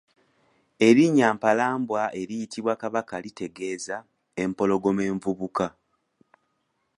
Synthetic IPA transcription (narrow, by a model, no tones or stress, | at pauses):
e̞ɾiɲːaːmpalaːmbwaʔe̞ɾijitiβwakaβakalite̞ɡe̞ːza | e̞mpo̞lo̞ɡo̞meːɱvuβuka